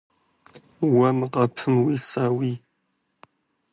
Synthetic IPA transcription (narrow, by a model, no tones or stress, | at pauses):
wɐmɨqɐpʰɨmwisaːwiː